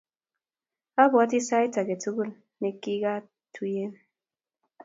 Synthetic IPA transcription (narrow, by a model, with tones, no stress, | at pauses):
a˦bwa˨˦ti˦sa˦i˦ta˨ke˨tu˦ɣu˦˨l | ne˨ki˦ɡa˦ | twi˦e˦n